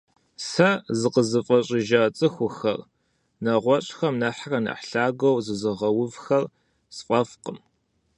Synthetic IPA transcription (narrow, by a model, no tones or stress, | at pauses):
sɐzɨqəzɨfʼɐɕʼɪʒat͡sʼɨxʷʊxɐ̰r | nɐʁʷɔɕʼxɐmnɐħrɐnɐ̰ħɬaːɡʷɐwzɨzɨʁɐwʊvxɐr | sfʼɐfqəm